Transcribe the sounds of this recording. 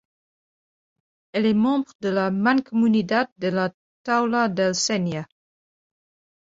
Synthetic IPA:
ɛlɛmɑ̃ːbʁd̪əlamãnkɔmynid̪ad̪̚d̪əla | t̪awlad̪ɛlsɛnja

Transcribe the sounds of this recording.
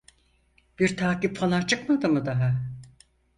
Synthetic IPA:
b̥iɾt̪ʰaːkipfalˠant͡ʃʰɯkmad̪ɯmɯd̪aɦa

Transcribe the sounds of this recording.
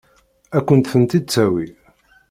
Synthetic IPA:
ækʷːənt̪θənt̪id̪̚t͡sːæwi

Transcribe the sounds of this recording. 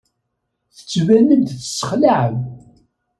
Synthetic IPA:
θə̥t͡sːvænːəmt̪θsə̥χlaʕəm

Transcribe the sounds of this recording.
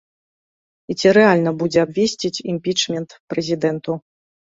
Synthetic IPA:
it͡sʲiɾɛalʲnɐbud͡zʲɛabvʲesʲt͡sʲit͡sʲimʲpʲit͡ʂmʲɛnt̪pɾɛzʲid̪ɛnt̪u

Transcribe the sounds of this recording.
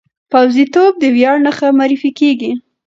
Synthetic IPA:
pawzit̪ob̚d̪əwjɑɽnəxamaɾifikeɡi

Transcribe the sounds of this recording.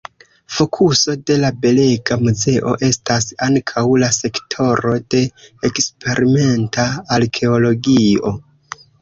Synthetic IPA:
fo̞kʰuso̞de̞labe̞le̞ɡamuze̞ʔo̞̰ʔe̞stasaŋkʰawlase̞ktʰo̞ɾo̞d̥e̞ekspe̞ɾʔime̞ntaːlkʰe̞o̞lo̞ɡio̞

